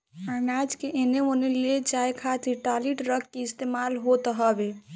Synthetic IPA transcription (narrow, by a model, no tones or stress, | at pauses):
əɾnad͡ʒkeʔeneoneled͡ʒajkʰat̪iʈaliʈɾəkʰkeist̪emalɦot̪ɦəbe